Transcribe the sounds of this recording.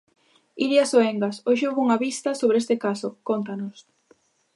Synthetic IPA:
iɾjasoeŋɡasoʃoɣouŋaβist̪ɐsoβɾest̪ekasokont̪̬anos

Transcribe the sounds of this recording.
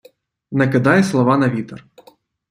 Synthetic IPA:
nɐkɪd̪ɑjɛslˠɔʋɑnɐʋʲit̪ɔr

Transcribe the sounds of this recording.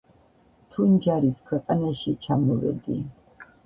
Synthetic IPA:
t̪ʰund͡ʒaɾiskʰwɛqʼanaʃit͡ʃʰamɔvɛ̰d̪i

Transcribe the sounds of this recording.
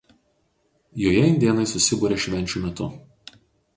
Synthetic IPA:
joːjɛɪnʲd̪ʲeɛnɐɪsʊsʲɪbuːɾʲɛːʃʲʋʲɛnʲt͡ʃʲumʲɛt̪ʊ

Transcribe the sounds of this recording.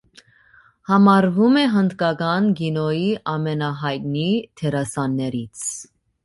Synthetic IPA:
hɑmɑɾvumɛɦənd̪kɑɡɑnɡinɔjiʔɑmɛnɑɦɑjt̪̚nit̪ʰɛɾɑsɑnːɛɾit͡sʰ

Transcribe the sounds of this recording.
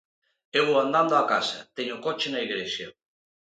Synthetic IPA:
ewand̪and̪oakasat̪eɲokot͡ʃenaiɣɾesja

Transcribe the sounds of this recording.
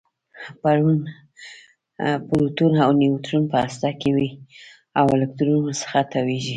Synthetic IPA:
paɾun | puɾut̪unawniwt̪ɾunpəast̪ɑkewi | awɪlak̚t̪uɾunasə̥xat̪ʰaweʒi

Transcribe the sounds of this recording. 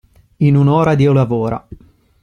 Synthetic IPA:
inunoːɾad̪iːolavoːɾa̰

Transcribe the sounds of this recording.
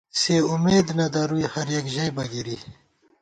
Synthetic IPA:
seumeːd̪nɐd̪ɐɾuihɐɾjɐkʑɐjbɐɡiɾi

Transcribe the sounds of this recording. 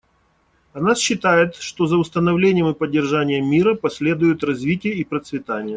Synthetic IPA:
ɐnasɕːɪt̪ajɪt̪ʂt̪o̞zəʊst̪ənɐvlʲenʲɪjəmɨpədʲːɪrʐanʲɪjəmʲːiɾəpɐsʲlʲe̞d̪ʊjʊt̪rɐzvʲitʲɪjəipɾət̪svʲɪt̪anʲɪjə

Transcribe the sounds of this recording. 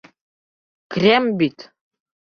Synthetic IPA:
krʲɛmbit̪

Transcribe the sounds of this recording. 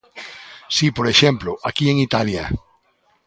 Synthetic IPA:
sipoɾeʃemplʊʔakieŋit̪alja̰

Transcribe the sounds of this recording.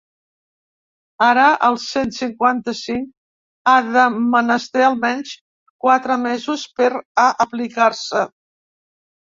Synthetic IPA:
aɾəʔəlˠsensiŋkwant̪əsiŋk | aðəmənəst̪eəlˠmɛnʲs | kwat̪ɾəmezuspəɾaʔəplikaɾsə

